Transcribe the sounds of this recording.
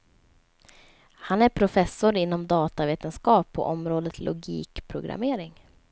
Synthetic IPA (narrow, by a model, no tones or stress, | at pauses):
hanæɾpʰɾʊfɛsːʊɾɪn̪ːɔmd̪ɑːt̪aveːt̪ənskɑːpʰːɔ̰ʔɔmɾoːd̪ət̪ʰlʔʊɡḭːkpʰɾʊɡɾa̰meːɾɪŋ